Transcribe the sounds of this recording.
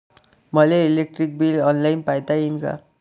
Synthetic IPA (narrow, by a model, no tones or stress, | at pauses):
mʌleilek̚ʈrik̚bilʌnlajnpajd̪ainka̰